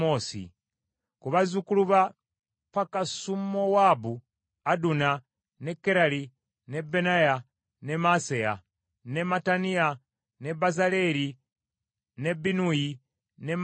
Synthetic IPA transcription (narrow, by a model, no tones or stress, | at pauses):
oːsḭ | kuβazukuluβa | pakasumowabu | aduna | nekːeɾali | nebenaja | nemaseja̰ | nematania | nebazale̞ɾi | ne̞binuji | nem